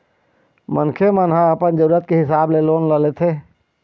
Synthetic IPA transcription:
mənkʰemənɦaəpənd͡ʒəɾuːɾət̪̚keɦɪsaːbleloːnləlet̪ʰe

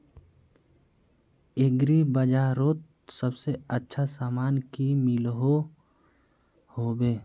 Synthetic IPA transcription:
eɡɾibəd͡ʒaːɾoːt̪̚ | səbseətːʃʰasaːmaːnkimɪlɦo | hoːbeː

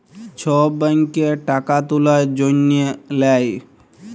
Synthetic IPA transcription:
t͡ʃʰɔbəŋkeʈakat̪ulad͡ʒonielaj

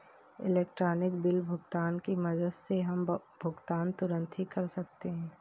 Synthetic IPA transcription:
ɪ̰leːkʈɾaːnɪkbɪlbʱʊɡt̪aːnkimɐd̪əd̪seɦɐmbʱʊɡt̪aːnt̪ʊɾə̃nt̪ʰikɐɾsɐk̚t̪eɦɛ̃ː

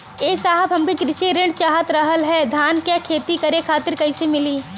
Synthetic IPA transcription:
eːsaːɦəbɦɐmkikɾɪseɾɪ̃ɳʈt͡ʃaːɦət̪ɾɐɦəlɦɛːd̪ʱaːnkjakʰeːt̪ikɐɾẽkʰaːt̪ɪɾkɐisemɪliː

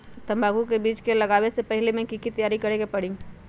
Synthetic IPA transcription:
t̪əmbʱaɡukebit͡ʃkeləɡabesepəɦilemẽkikit̪əjaɾikəɾekepəɽ̤ĩŋ

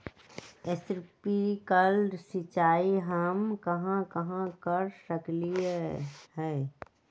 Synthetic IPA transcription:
esɾpikəlɖsɪt͡ʃaːiɦaːmkɐɦãkɐɦãkəɾsəkliehɛː

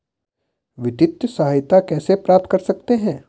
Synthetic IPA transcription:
ʋɪt̪ɪt̪jəsɐɦajt̪akɛːsepɾaːp̚t̪ʰkɐɾsɐk̚t̪eɦɛ̃ː

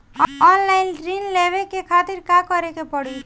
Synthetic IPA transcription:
ɔnlaɪnɾinleβekekʰat̪iɾkakʌɾekepɔɽu

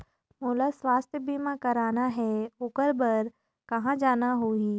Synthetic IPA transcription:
moːlasʋaːst̪ʰjəbiːmãkɐɾaːnaɦɛʊkəɾbəɾ | kɐɦãd͡ʒaːnaɦoːiː

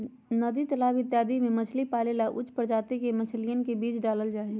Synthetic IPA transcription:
nəd̪it̪əlaːbɪt̪jaːd̪imẽmət͡ʃʰlipaːlelaʔʊ̰t͡ʃʰːpəɾd͡ʒaːt̪ikemət͡ʃʰlijənkebiːt͡ʃɖaːləld͡ʒaːɦi

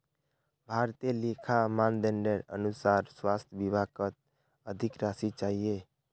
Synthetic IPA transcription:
bʱaːɾt̪elikʰamaːnd̪ɛɳɖəɾə̰nusaːɾswaːst̪ʰʋibakət̪̚ | əd̪ʱɪkɾaːsit͡ʃaːɦie

